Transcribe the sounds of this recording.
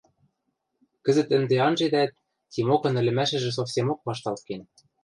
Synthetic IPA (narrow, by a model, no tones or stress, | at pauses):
kɘ̆zɘ̆t̪ɘ̆nd̪eɑnʒed̪æt̪̚ːʲ | imokɤ̆nɘ̆lʲɘ̆mæʃɘ̆ʒɘ̆s̬ofsʲemok̚βɑʃt̪ɑlˠt̪̚ken